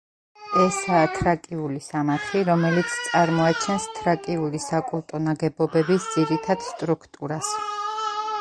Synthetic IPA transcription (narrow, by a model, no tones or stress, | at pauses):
ɛsaːt̪ʰɾakʼiulisamat̪ʰliɾɔmɛlit̪sʰt̪sʼaɾmɔat͡ʃʰɛnst̪ʰɾakʼiulisakʼulˠt̪ʼɔnaɡɛbɔbɛbisd̪z̥iɾit̪ʰad̪̥st̪ʼɾukʰt̪ʼuɾas